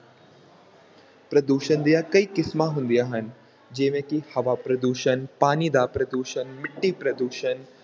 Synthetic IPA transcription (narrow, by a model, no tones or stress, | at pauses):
pɾɐd̪uːʃənd̪ijakɐikɪsmaɦʊ̃nd̪ijaːɦɐn | d͡ʒeːmẽkihɐʋaːpɾɐd̪uːʃənpaːnid̪aːpɾɐd̪uːʃənmɪʈːipɾɐd̪uːʃən